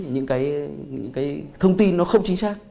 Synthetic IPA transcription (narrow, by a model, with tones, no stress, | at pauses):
ɲɨ̰˧˥ŋkaː˨˦jɲɨ̰˧˥ŋkaː˨˦jt̪ʰə˧wŋ͡mt̪i˧nːɔ˨˦xə˧wŋ͡mt͡ɕi˨˦ŋ̟saː˧k̚